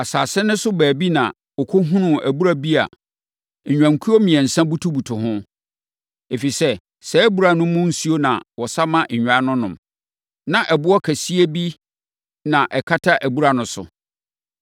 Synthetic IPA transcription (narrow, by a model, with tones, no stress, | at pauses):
a˨saː˨sɪ˦nʊ̃˦sʊ˦bæː˨bi˦nã˨ | ɔ˨kʰo˦ɦũ˦nʊ̃˦˨æ˨bu˦ɾa˦bi˦a̰˨ | ɲᶣ˨ã˨ŋ˨kʰu˦o˦mĩ˨ɛ̃˨n̩˨sã˦bu˦tʰu˦bu˨tʰʊ˨ɦʊ̃˦ | e˨fi˨sɛ˦ | sɛ˦bu˦˨ɾa˨nʊ̃˦mʊ̃˦n̩˦si˦o˦nã̰˨wɔ˨sa˦mã˦ʔ̩˨ɲᶣ˨ã˨˦nʊ̃˦nʊ̃˨m | nã˨ʔɛ˨bʊ˦ɔ˦kʰæ˨si˦e˦bi˦ | nã˨ʔɛ˨kʰa˦tʰa˦ʔæ˨bu˦ɾa˨nʊ̃˨sʊ̰˨